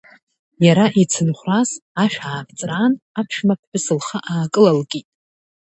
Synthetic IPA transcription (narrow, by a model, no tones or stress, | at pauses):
jaɾaʔit͡sʰɨnχʷrasaʃᶣaːpʰt͡sʼranapʰʂmap̚ʰʷħɨsɨlχaʔaːkʼɨlalkʼitʼ